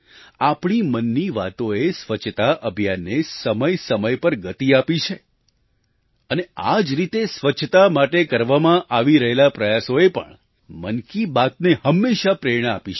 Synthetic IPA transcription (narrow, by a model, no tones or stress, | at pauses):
apɳimənːiʋa̰t̪oesʋət͡ʃʰt̪aʔəbʱjanːesəməjsəməjpəɾɡət̪iapit͡ʃʰe | ənead͡ʒɾit̪esʋət͡ʃʰt̪amaʈekəɾʋamãʔaʋiɾəɦelapɾəjasoepə̰ɳ | mənkibat̪̚nehəmːeʃapɾeɾɽ̃əapi